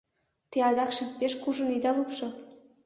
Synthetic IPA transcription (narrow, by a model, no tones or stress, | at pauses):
t̪eɑd̪ɑχʃik̚pʲeʃkuʒɤ̆nid̪ɑlˠupʃɤ̆